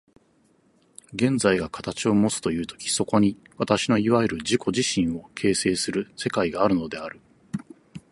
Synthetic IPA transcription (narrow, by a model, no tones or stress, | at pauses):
ɡẽ̞nd͡zaiɡakḁt̪at͡ɕio̞mo̞t͡sɨ̥t̪o̞jɯ̟ːt̪o̞̥kʲi̥so̞ko̞ɲ̟i | βat̪aɕino̞iβaeɾɯ̟ʑiko̞ʑiɕĩɰ̃o̞kʰe̞ːse̞ːsɨɾɯ̟se̞kaiɡaːɾɯ̟no̞d̪e̞aɾɯ̟